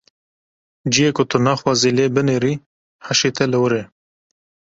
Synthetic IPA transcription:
d͡ʒijeːkʊt̪ʰʊnɑːxwɑːziːleːbɨneːɾiː | ħaʃeːt̪ʰɛlɨwɨɾeː

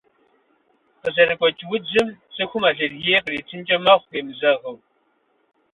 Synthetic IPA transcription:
qəzɐɾɨkʷʼɔt͡ʃʼwʊd͡ʒɪmsʼɨxʷʊmaːɮɐrjeːqəriːt͡sʰɨnt͡ʃʼɐmɐʁʷeːmzɐʁɐw

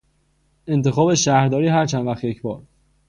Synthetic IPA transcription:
ent̪ʰe̞xɒːbe̞ʃæːhɾd̪ɒːɾiːɦæɾt͡ʃʰænvæxt̪je̞cʰbɒːɾ

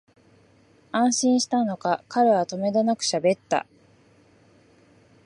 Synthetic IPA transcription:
ãɰ̃ɕĩɰ̃ɕi̥t̪ano̞kakaɾeβat̪o̞me̞d̪enakɯ̟̥ɕabe̞t̪ːa̰

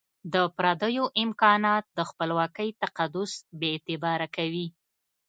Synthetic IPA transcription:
d̪əpɾɑd̪əjoʔɪmkɑnɑt̪̚d̪əxpəlwɑkəjt̪aqad̪ʊsbeːt̪ɪbɑɾakawi

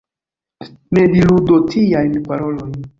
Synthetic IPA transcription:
ne̞diludotʰijajnpaɾo̞lo̞jn

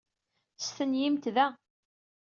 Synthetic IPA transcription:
sθənjimt̪ðæ

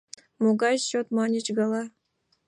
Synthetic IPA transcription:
moɡɑjɕot̪mɑnʲit͡ɕɡɑlˠɑ

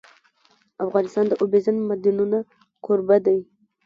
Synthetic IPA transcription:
afɣɑnɪst̪ɑnd̪əʔobezanmad̪inuna | koɾbad̪aj

